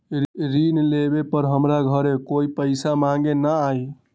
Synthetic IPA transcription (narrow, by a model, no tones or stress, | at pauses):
ɾinlebepəɾɦəmɾaɡʱəɾekoipəɪsamaŋɡenəaj